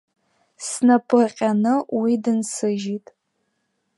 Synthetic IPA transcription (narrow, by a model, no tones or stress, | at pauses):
snapʰʼɨqʲʼanɨwidɨnsɨʒitʼ